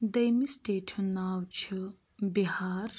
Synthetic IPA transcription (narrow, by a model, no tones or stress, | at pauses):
d̪ɐjmisʈeːʈʰɨnaːwt͡ʃʰu | biɦaːɾ